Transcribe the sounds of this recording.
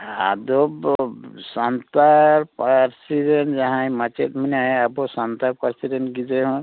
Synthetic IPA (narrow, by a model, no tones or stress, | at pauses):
a̰d̪ɔbsant̪aɾpaɾsidend͡ʒaɦãjmat͡ʃet̪̚minajabɔsant̪aɾpaɾsidɛnɡid͡ʒeɦɔ̃